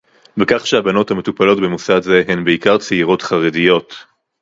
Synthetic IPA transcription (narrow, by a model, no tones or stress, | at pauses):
vekaχʃeabano̞thame̞tupalo̞tbemusadze̞ɦenbeikaʁt͡seiʁo̞tχaʁedijo̞t